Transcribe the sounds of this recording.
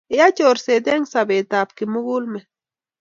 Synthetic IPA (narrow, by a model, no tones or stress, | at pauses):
ejat͡ʃoɾsed̪eŋsabet̪apkɪmʊɡulmɪ